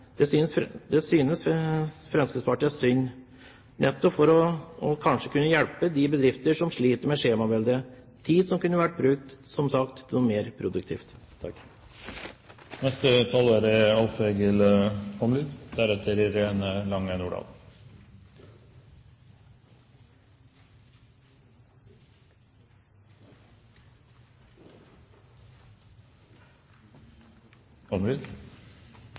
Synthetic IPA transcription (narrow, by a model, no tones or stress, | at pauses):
d̪̥ɛsynsd̪ɛsyːnəsfɾɛnskəspʰɑʈɪɑsʏnː | nʔɛt̪ːɔpfɔɾɔɔkʰɑnʂəkʰʉnːəjɛlpəd̪ɪbəd̪ɾɪft̪əʂɔmʂɭiːt̪əɾmɛʂeːmɑbɛld̪ə | t̪ʰiːd̪sɔmkʉnːəʋæʈ̚ːbɾʉːk̚t̪sɔmsɑkt̪ʰɪɔmeːɾpʰɾʊd̪ʉk̚t̪ʰḭːft̪ʰː | ɑkː | nɛst̪ət̪ʰɑːləːɾɪɑlfeɡəlɔmlyːd̪d̪æɾɛt̪ʰəɾiɾeːnəlɑŋːənʊɖɑ̰ːl | ɔmlyːd̪